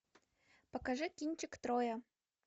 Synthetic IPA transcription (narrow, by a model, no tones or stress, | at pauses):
pɐkaʐɨkʲinʲt͡ɕɪkt̪ɾojɐ